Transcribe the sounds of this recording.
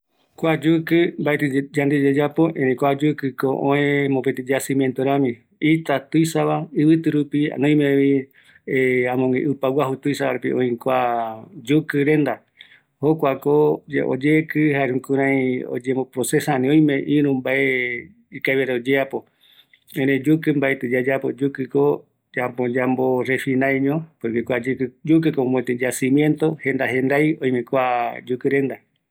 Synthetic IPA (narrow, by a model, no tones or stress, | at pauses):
kʷad͡ʒukɨmbaet̪ɨd͡ʒand̪ed͡ʒed͡ʒapoʔẽɾẽkʷad͡ʒukɨkoʔõẽmõpet̪id͡ʒasĩmjent̪oɾãmĩ | it̪at̪ujsaβaɨβɨt̪ɨɾupia̰nõj̃meβi | eãmõŋɡḛ̃ʔɨpawaɦut̪uisaβaɾepḭʔõĩkʷad͡ʒukɨɾẽnd̪a | hokʷakoo̰d͡ʒekɨhaeɾũkuɾ̃ãjo̰d͡ʒembopɾosesaãnĩõj̃mẽʔĩɾũmbaʔe | ikaβeɾaod͡ʒeapo | ẽɾed͡ʒukɨmbaet̪ɨd͡ʒad͡ʒapod͡ʒukɨko | d͡ʒapõd͡ʒamboɾefinãjɲõpokekʷad͡ʒkd͡ʒuk̬ɨkomõet̪ed͡ʒasĩmjẽnt̪o̞hẽ̞nd̪aɦẽnd̪ajõj̃mẽkʷad͡ʒukɨɾe̞nd̪a